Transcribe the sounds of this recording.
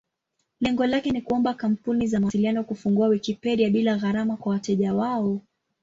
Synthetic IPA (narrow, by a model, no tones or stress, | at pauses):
lɛŋɡɔlakɛnikuɔmbakam̩punizamuasilianɔkufuŋɡuawikipɛɾiaɓilaɣaɾamakwawatɛʄawaɔ